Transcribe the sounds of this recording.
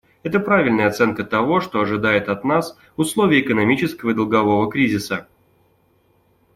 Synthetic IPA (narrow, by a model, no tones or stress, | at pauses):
ɛt̪əpɾavʲɪlʲnəjəɐt̪sɛnkət̪ɐvo̞ʂt̪o̞ɐʐɨd̪ajɪt̪ɐt̪nas | vʊslˠovʲɪjəːkənɐmʲit͡ɕɪskəvəɨd̪əlˠɡɐvo̞vəkɾʲizʲɪsə